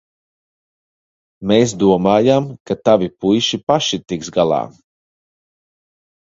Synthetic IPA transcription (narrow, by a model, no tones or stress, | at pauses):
meːs̬d̪uɔmaːjamkat̪avʲipujʃipaʃit̪iksɡalˠɑ̰ː